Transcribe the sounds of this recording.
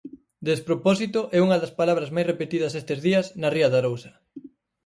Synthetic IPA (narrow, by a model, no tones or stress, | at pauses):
d̪espɾopɔsit̪oʔɛuŋɐðɐspalaβ̞ɾɐzmajsrepet̪ið̞ɐsest̪ezðiɐsnɐriɐðaɾowsɐ̥